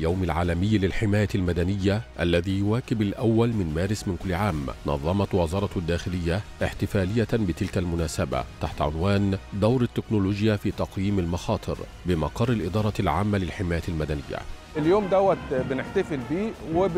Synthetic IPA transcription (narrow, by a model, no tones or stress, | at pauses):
jawmɪlʕaːlamɪjːlɪlħɪmaːjalmad̪anɪjːaʔalːaðiːjʊwaːkɪbalʔawːalmɪnmaːɾɪsmɪnkʊlːɪʕaːmnɑ̰ðˤːɑmɑt̪wɑzɑːɾˤɑd̪ːaːxɪlɪjːaʔɪħt̪ɪfaːlɪjːabɪt̪ɪlkalmʊnaːsaba̰t̪aħt̪ʕʊ̰nwaːnd̪awɾɪt̪ːɪknʊluːd͡ʒɪjafiːt̪ɑqjiːmalmɑxɑːt̪ˤɨɾ | bɪmɑqɑrˤːɪlʔɪd̪ˤɑːɾˤɑlʕaːmːalɪlħɪmaːjalmad̪anɪjːa̰ʔɪljoːmd̪æwːæt̪bɪnɪħt̪afɪlbiːwɪ